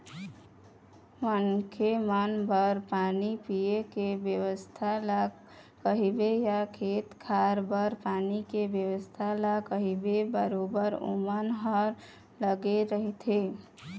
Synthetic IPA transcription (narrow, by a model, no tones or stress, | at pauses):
mənkʰemənbəɾpanipijekebjəwəst̪ʰala | kəɦibejakʰet̪kʰaɾbəɾpaːnikebjəʋəst̪ʰalakəɦibebəɾobəɾṵmənɦəɾ | ləɡeɾəɦit̪ʰe